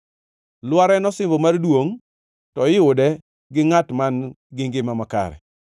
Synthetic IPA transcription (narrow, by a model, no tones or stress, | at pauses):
lwaɾɛnɔsɪmbɔmardwoŋ | tɔɪʊdɛ | ɡɪŋatman | ɡɪŋɡɪmamaka̰ɾɛ̰